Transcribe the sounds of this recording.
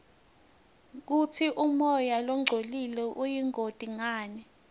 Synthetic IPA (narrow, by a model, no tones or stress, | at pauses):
k̬utʰiʔumɔjalɔŋ͡ǀʱolilɛʔujiŋotʼiŋaːnɛ